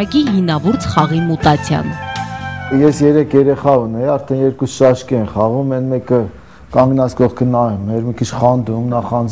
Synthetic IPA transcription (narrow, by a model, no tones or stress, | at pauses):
ɑkiɦinɑvuɾt͡sʰχɑʁimut̪ɑt͡sʰjɑ̰n | jɛsjɛɾɛkʰjɛɾɛχɑunɛɑɾt̪ʰɛnjɛɾkusʃɑʃkɛɛnχɑʁumɛnmɛkə | kɑŋɡnɑt͡skɔʁkʰənɑjumɛɾmikʰit͡ʃʰχɑnd̪umnɑχɑnd͡z